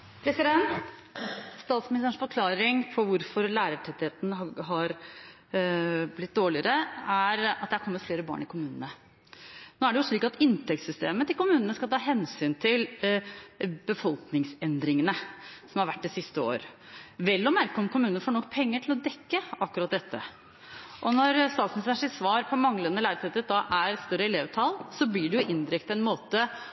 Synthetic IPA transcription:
pʰɾɛsɪd̪ɛnt̪ | st̪ɑːt̪smɪnɪst̪əːɳʂfɔɾkʰlɑːɾɪŋpʰɔʋʊɾfɔɾlæːɾəʈʰɛt̪ːɪheːt̪nəɦɑɾ | blɪt̪̚d̪oːɭɪəɾəæɾɑt̪d̪əhæɾkʰɔmːət̪fleːɾəbɑ̰ːɳɪkʰʊmʉːnənə | noːæɖɛjʊʂɭiːkɑt̪ɪnt̪ʰɛk̚t̪sʏst̪eːmət̪ɪlkʊmʉːnənəskɑlt̪ʰɑːɦɛnsyːnt̪ʰɪl | bəfɔlknɪŋsɛnd̪ɾɪŋənəsɔmhɑɾʋæʈ̚ːd̪ɛsɪst̪əo̰ːɾ | ʋɛlːɔmːæɾkəɔmkʊmʉːnənəfoːɳɔkːpʰɛŋːəʈʰɪlɔd̪ɛkːəʔɑkːʉɾɑt̪̚d̪ɛt̪ːə̰ | ʔɔnɔɾst̪ɑːt̪snɪsæʂɪsʋɑːɾpʰɔmɑŋːəlɛnːəlæɪɾt̪ʰɛt̪əd̪ɑʔæɾst̪œɾəɛleːʋt̪ʰɑlsɔblɪɖɛjʊʔɪnd̪ɪɾɛkt̪ɛnmoːt̪ə

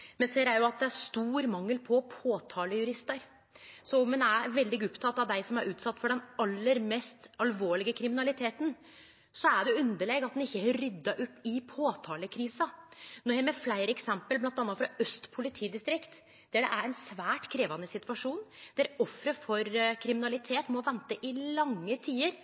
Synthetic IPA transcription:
mɛnseːɾæɾjʊɑt̪̚d̪ɛæɾst̪uːɾmɑŋːəlpʰɔpʰoːt̪ʰɑːləjʉɾɪst̪əɾ | sɔmɛnæɾʋɛld̪ɪɡʊpt̪ʰɑt̪ːɑʋd̪æɪsɔmæɾʔʉːt̪sɑt̪ːfɔɖɛnɑlːəɾmɛst̪ɑlʋoːɭɪɡəkʰɾɪmɪnɑlɪt̪ʰeːt̪n̩ | sɔæɖɛʉnd̪əɭeːɡɑt̪̚d̪ɛnɪçːəhɾʏd̪ːɑʔʉp̪ːɪpʰoːt̪ʰɑːləkʰɾiːsɑnɔɾhɛmɛflæɪɾəɛksɛmpəlblɑnt̪ɑnːɑfɾɑœst̪pʰʊlɪt̪ʰiːd̪ɪst̪ɾɪkt̪ | d̪̥æɖɛʔæɾɛɪnsʋæːʈkʰɾeːʋɑnːəsɪt̪ʋɑʂuːnd̪̥æɾɔfɾəfɔɾkʰɾɪmɪnɑlɪt̪ʰeːt̪mɔʋɛnt̪əʔɪlɑŋːət̪ʰiːəɾ

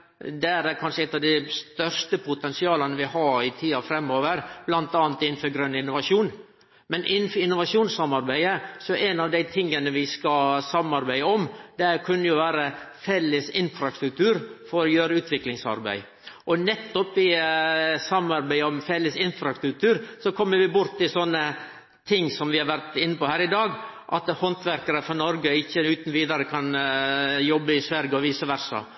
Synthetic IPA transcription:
d̪ɛæɾækʰɑnʂəɛt̪ːɑʋd̪æɪst̪œɾst̪əpʰʊt̪ɛnsɪɑːlənəʋɪhɑɾɪt̪ʰiːɑfɾɛmːoːʋəɾb̥lɑnt̪ɑːnt̪ɪnn̩fɔɾɡɾœnːɪnːʊʋɑʂuːn | mɛnʔɪn̩ːfɪnːʊʋɑʂuːnsɑmɑɾbæɪəsɔʔɛnɑʋd̪æɪt̪ʰɪŋːənəʋɪskɑlsɑmːɑɾbæɪəɔmd̪ɛæɾkʰʉnːəjʊʋæːɾəfɛlːəsɪnfɾɑsɾʉk̚t̪ʰʉːɾfɔɾɔjøːɾəʉːt̪ʰʋɪklɪŋsɑ̰ɾbæ̰ɪ | ʔɔnɛt̪ːɔpɪ | sɑmːɑɾbæɪɔmfɛlːəsɪnfɾɑkt̪ʉlt̪ʰʉːɾsɔkʰɔmːəɾʋɪbʊɾt̪ːɪsɔnːə | t̪ʰɪŋːsɔmʋɪhɑɾʋæɾt̪ɪnːəpɔhæːɾɪd̪ɑːɡʔɑ̰t̪hɔnt̪ʋæɾkəɾəfɔnɔɾɡəɪçːəʉːt̪nʋiːd̪ɑɾəkʰɑn | jɔbːəɪsʋæɾɡəɔʋiːsəʋæɾsɑ̰

